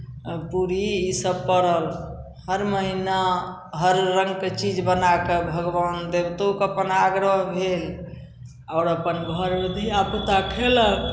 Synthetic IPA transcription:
puɾiːsəb̚pəɾəl | həɾməɦina | ɦəɾːə̃ŋɡket͡ʃid͡ʒbənakebʱəɡband̪ebt̪okəpənaɡɾəɦbʱel | aʊɾəpənɡʱəɾbəd̪ʱiapt̪akʰelək̚

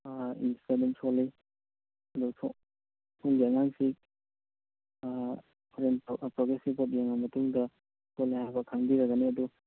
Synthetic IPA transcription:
ḭnisadunsoli | ɐduso | huŋɡiɐŋaŋsik | pʰɾenppɾoɡɾesipʰot̚jeŋɐmɐtuŋdɐ | solihajbɐkʰaŋbiɾɐɡɐniɐdu

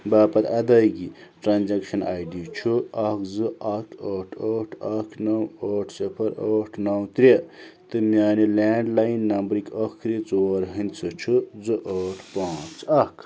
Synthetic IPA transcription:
baːpɐt̪ɐd̪əjɡiʈɾaːnzakʃɐna̰jɖit͡ʃʰuɐkʰd͡zɨaʈʰəːʈʰəʈʰɐkʰnɐwɔːʈʰsipʰɐɾəːʈʰnɐwt̪ɾet̪ɨmjaːnilaːɳɖlajnːɐmbɾikəkʰɾit͡soːɾɦɐnʲt͡sʰɨt͡ʃʰud͡zɨʔəːʈʰpaːt͡sʰɐkʰ

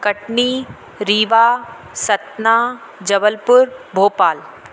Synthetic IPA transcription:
kɐʈniː | ɾiːʋaː | sɐt̪na | d͡ʒɐbəlpʊɾbʱoːpaːl

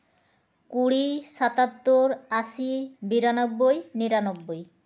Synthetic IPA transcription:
kuɽiʃat̪at̪ːoɾaʃibiɾanɔbːojniɾanɔbːoj

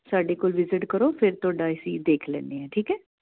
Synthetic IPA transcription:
saːɖeːkoːlʋɪzɪʈkəɾoːpʰɪɾt̪õːɖaːɪsiːd̪eːkʰlɛ̰̃ːnd̪eːɛ̃ːʈʰiːkɛː

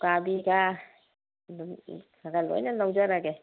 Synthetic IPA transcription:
kabiɡa | aɡalo̰jnalawd͡ʒaɾaɡe

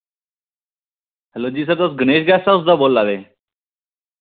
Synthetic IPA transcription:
ɦɛloːd͡ʒiːsət̪osɡəneːʃɡaːsaːʊs̬d̪aːboːlːaːʋeː

